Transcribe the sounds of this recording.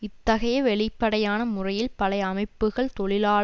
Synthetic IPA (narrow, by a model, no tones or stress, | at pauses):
ɪt̪ːɐɣɐjɐʋɛɭɪpːɐɽɐjaːnɐmʊrɐjɪlpɐlɐɪɐmɐɪpːɯɣɐɭt̪ɔɭɪlaː